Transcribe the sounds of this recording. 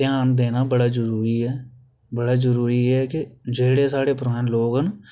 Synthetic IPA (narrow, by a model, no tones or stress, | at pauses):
ɪjaːnd̪eːnaːbəɽaːd͡ʒəɾuːɾiːɛː | bəɽaːd͡ʒəɾuːɾiːɛːkɪd͡ʒeːɽeːsaːɽeːpəɾãːnloːɡɦən